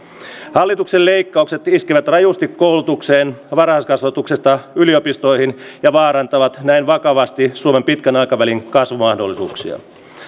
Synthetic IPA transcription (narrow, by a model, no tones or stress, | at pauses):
hɑlːit̪ukselle̞ikːɑukse̞t̪iskiʋæt̪rɑjust̪ikːo̞ulut̪ukseːnʋɑrɑɑskɑsʋɑt̪uksest̪ɑylio̞pist̪o̞ihinjɑʋɑːɾɑnt̪ɑʋɑt̪næinʋɑkɑʋɑst̪isuome̞mpit̪kænɑjkɑʋæliŋkɑsʋumɑhdolːˑisṵːksḭɑ̰